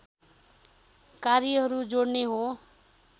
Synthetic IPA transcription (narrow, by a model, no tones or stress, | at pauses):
kaɾjʌɦʌɾud͡zoɽneɦo